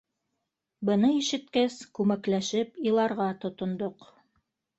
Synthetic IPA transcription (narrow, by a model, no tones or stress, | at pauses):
bɤ̆nɤiʃɘ̆t̪kæskʉmæklæʃɘpilˠɑɾʁɑt̪ŏt̪ŏnd̪oq